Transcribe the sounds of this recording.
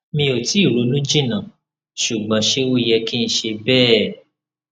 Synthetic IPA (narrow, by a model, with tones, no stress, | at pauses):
mĩ˧o˨ti˨˦i˦˨ɾo˨˦lũ˦d͡ʒĩ˦˨nã˨ | ʃu˨ɡ͡bã˨ʃe˦wo˦jɛ˧kĩ˦n̩˦ʃe˧bɛː˦˨